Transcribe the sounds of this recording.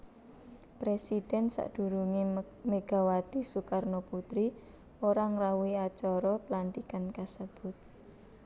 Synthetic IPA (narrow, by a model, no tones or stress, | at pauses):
pɾesid̥ɛ̤nsa̰ʔd̥ṳɾuŋi | meɡ̥a̤wat̪isukarnoput̪ɾi | oɾaŋɾauiat͡ʃɔɾɔpəlant̪ikankasəb̥ʊt̪̚